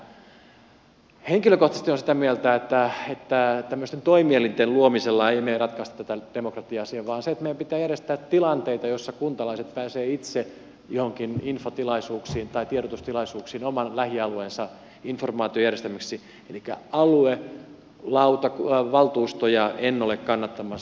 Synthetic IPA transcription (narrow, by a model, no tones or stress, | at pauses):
heŋkiløkoht̪ɑst̪ionsit̪æmiælt̪æet̪ːæet̪ːæt̪æmːøst̪ent̪oimielint̪elluomiselːɑeimeirɑt̪kɑist̪ɑt̪ːæt̪æd̥emokrɑt̪iɑsieʋʋɑːnset̪meijæmpit̪ˑæːjærjest̪æːt̪ilɑnt̪eit̪ɑjosːɑkunt̪ɑlɑiset̪pæːseːit̪se | johoŋkininfot̪ilɑisuːksiːnt̪ɑit̪ierot̪ust̪ilɑisuːksiːnomɑnlæhiɑluensɑ | informɑːt̪iojærjest̪æmæksi | elikːæ̰ɑlue | lɑut̪ɑkʋɑlt̪uːst̪ojɑʔenːolekkɑnːɑt̪ːɑmɑs